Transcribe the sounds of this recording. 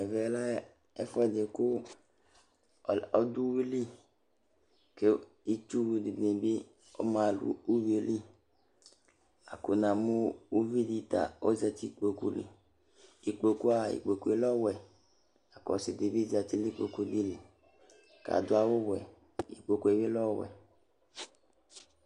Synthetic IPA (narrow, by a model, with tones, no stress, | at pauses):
ɛ˨vɛ˨˦la˦ | ɛ˦fɔ˦ɛ˨de˨ko˦˨ | ɔ˦du˦wi˦li˦ | ke˦ | i˦t͡ʃu˦wu˧di˨de˨be˦ | o̰˦mã˨lṵ˨u˦vi˨˦o˦li˦ | a̰˨ko˨nã˨mu˦u˦vi˦di˦ta̰˨o˦zɛ˧ti˦k͡po˨ku˦lḭ˨ | i˨k͡po˨ku˦a˦˨ḭ˨k͡po˨ku˦e˦lɔ˦wɛ˨ | a˨kɔ˨si˨di˨bi˦za˨ti˦li˦k͡po˨ku˨di˦li˨ | ka̰˨du˦a˦wo˦wɛ˨ | ḭ˨k͡po˨ku˨e˨we˦lɔ˦˨wɛ̰˨